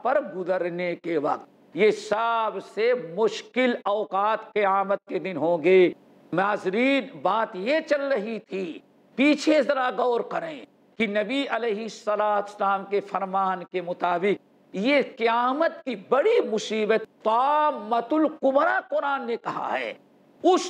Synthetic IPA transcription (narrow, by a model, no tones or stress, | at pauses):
pɐɾɡʊzəɾnekeʋɐq̚t̪̚ | jesaːbsemʊʃkɪlɔːqaːt̪qɐjaːmət̪̚ked̪ɪnɦõːɡeː | maːzɾiːnbaːt̪jet͡ʃɐlɾɐɦit̪ʰi | piːt͡ʃʰezɐɾaɡɔːɾkɐɾẽː | kinɐbiɐleːɦɪsːɐlaːt̪ʊ̥slaːmkefɐɾmaːnkemʊt̪aːbɪk̚ | jeqɐjaːmət̪kibɐɽimʊsiːbət̪t̪amːɐt̪ʊlqʊbɾaqʊɾaːnːekɐɦa̰ɦɛ̰ː | ʊs